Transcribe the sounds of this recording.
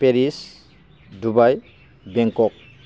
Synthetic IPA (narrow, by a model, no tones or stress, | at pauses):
peɾis | dubaj | beŋkɔk̚